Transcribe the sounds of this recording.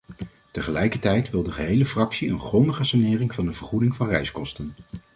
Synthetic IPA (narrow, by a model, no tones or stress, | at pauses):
təχəlɛjkəɹtɛjtʋɪlˠdəχəɦejləfrɑksiə̰nχrɔndəχəsanɪːrɪŋvɑndəvəɹχudɪŋvɑnrɛjskɔstən